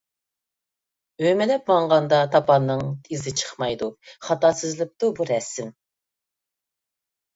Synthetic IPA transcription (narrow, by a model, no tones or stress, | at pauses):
ømɛlɛp̚bɑɴʁɑnd̪ɑt̪ʰɑpʰɑnːɨŋt̪ʰizɪt͡ʃʰə̥χmɑjd̪uχɑt̪ɑsɨzlɪp̚t̪ubuɾɛsɪm